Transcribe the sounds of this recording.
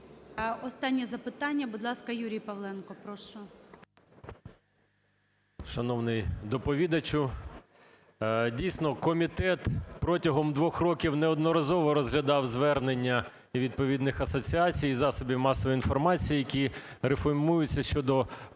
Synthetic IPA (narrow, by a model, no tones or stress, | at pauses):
ɔst̪ɑnʲːɛzɐpɪt̪ɑnʲːɐbʊd̪lˠɑskɐjuɾʲijpɐʋlˠɛnkɔpɾɔʃʊ | ʃɐnɔwnɪjd̪ɔpɔʋʲid̪ɐt͡ʃʊ | dʲijsʲnɔkɔmʲit̪ɛt̪pɾɔtʲɐɦɔmd̪ʋɔxrɔkʲiwneɔd̪nɔɾɐzɔʋɔɾɔzɦlʲɐd̪ɑwzʋɛrnenʲːɐ | iʋʲid̪̚pɔʋʲid̪nɪxɐsɔt͡sʲiɑt͡sʲijizɑsɔbʲiwmɑsɔʋɔjinfɔrmɑt͡sʲijijɐkʲirefɔrmujʊt͡sʲːɐʃt͡ʃɔd̪ɔ